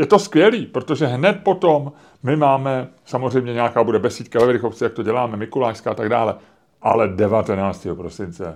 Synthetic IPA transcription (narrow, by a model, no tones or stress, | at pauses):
jɛt̪o̞skvjɛliːpɾot̪o̞ʒɛɦnɛt̪̚po̞t̪o̞mː | ɪmaːmɛsamozrɛjmɲɛɲɛakaːbudɛbɛsiːt̪kavɛvɾɪxo̞ft͡sɪjak̚t̪o̞ɟɛlaːmɛmɪkulaːʃskaat̪aɡdaːlɛ | ʔa̰lɛdɛvat̪ɛnaːt͡st̪iːɦopɾo̞sɪnt͡sɛ̰